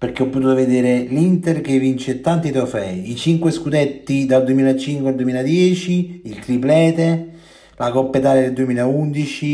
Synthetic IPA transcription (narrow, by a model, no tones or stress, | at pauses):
perk̟eɔpːot̪uːt̪oved̪eːɾelint̪erkevːint͡ʃet̪ːant̪it̪ofɛ̰iit͡ʃiŋkweskud̪ɛt̪ːid̪ald̪uemiːlat͡ʃiŋkweald̪uemiːlad̪jɛːt͡ʃiilt̪ɾiplɛːt̪e | lakɔpːet̪aːled̪eld̪uemiːlaund̪it͡ʃi